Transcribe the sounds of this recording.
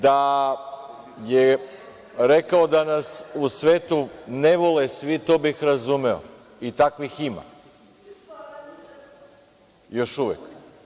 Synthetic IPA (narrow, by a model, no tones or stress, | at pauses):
d̪a | je | ɾekaod̪anasusʋeːt̪uneʋolesʋit̪obixɾazumeo̰ | it̪akʋixima̰ | jo̞ʃuʋḛk